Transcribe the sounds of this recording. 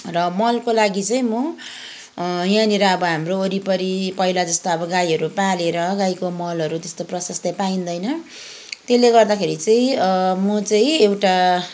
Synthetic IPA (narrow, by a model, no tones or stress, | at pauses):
rʌmʌlkolaɡit͡sʌĩmʌ | jãniɾʌʌbʌɦamrooɾipʌɾipʌilad͡zʌst̪oʌbʌɡajɦʌɾupaleɾʌɡajkomʌlʌɾut̪est̪oprʌsʌst̪ʌpaĩnd̪ʌjnʌ | t̪eleɡʌrd̪akʰeɾit͡sʌĩmʌt͡sʌĩewʈa